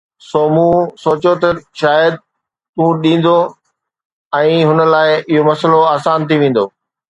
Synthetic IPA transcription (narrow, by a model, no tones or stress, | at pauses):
soːmũsoːt͡ɕot̪ɐʃaːjəd̪̚ | t̪ũːɗĩːn̆d̪o | ɛ̃ːɦʊnə̆laːɪʔɪɦomɐsəloaːsaːnt̪ʰiʋẽːn̆d̪oː